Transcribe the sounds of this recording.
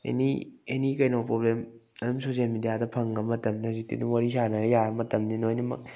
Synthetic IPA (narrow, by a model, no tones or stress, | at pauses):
ḛnḭenikɐjnowpɾoblem | ɐdumsozenmidijadɐpʰɐŋɡɐmɐtɐmnɐɾitḭduŋwaɾisanɐɾɐjaɾɐmɐtɐmninojnɐmɐ̰k̚